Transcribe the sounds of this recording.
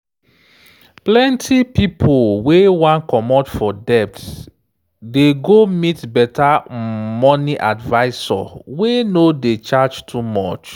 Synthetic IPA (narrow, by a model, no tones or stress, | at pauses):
plɛ̃ntʰipipʰowewãnkɔmɔtfɔdɛp̚t | deɡomitbɛtamɔniʔadvaɪsɔ̰wenodet͡ʃad͡ʒtʰumɔt͡ʃ